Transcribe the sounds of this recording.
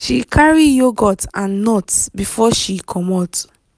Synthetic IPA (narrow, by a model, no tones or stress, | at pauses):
ʃikʰaɹijoɡɔtãnːɔtbifɔʃikʰɔmɔt